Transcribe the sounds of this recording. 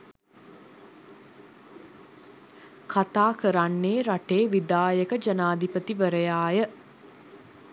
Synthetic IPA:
kat̪aːkəɾanːeːɾaʈeːʋid̪aːjəkəd͡ʒənaːd̪ipət̪iʋəɾəjaːjə

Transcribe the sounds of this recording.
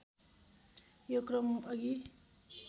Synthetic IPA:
jokɾʌmʌɡi

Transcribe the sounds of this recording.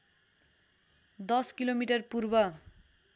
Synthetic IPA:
d̪ʌskilomiʈʌrpurbʌ

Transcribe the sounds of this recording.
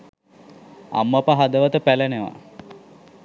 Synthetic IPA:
a̰mːapəɦad̪əʋət̪əpæleneʋa̰

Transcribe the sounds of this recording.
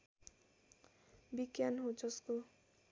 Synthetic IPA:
biɡjanɦũd͡zʌsko

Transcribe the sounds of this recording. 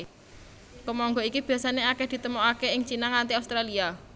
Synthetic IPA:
kəmɔŋɡɔikib̥i̤asaneakehd̪̥i̤t̪əmoakeɪŋt͡ʃinaŋant̪iaust̪ɾalia

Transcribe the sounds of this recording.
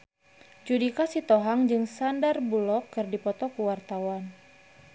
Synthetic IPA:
d͡ʒudikasit̪ɔɦaŋd͡ʒɨŋsandarbulɔkːɨrdipɔt̪ɔkuwart̪awan

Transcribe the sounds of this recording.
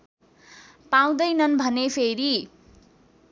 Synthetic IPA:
paw̃d̪ʌjnʌnbʱʌnepʰeɾi

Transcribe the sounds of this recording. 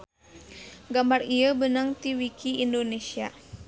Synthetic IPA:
ɡambariəbənaŋt̪iwikʰiindonesia

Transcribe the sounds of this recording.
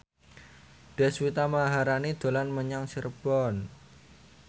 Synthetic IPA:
d̥ɛ̤swit̪amaɦaɾanid̪̥o̤lanməɲaŋsirb̥ɔn

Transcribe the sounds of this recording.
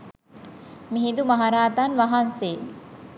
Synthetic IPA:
miɦid̪umaɦaɾaːt̪anʋaɦanseː

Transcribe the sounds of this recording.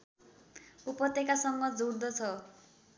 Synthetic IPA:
upʌt̪ekasʌŋɡʌd͡zouɽd̪ʌt͡sʰʌ

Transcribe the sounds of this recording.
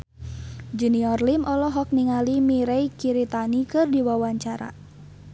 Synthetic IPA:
d͡ʒuniɔrlimʔɔlɔɦɔk̚niŋalimiɾɛikiɾit̪anikɨrdiwawaɲt͡ʃaɾa̰

